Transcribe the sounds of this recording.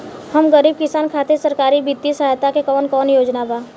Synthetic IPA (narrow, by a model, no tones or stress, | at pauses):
həmɡəɾiːb̚kɪsaːnkʰaːt̪esəɾkaːɾibɪd̪isəɦajt̪akekɔːnkɔːnjoːd͡ʒnabaː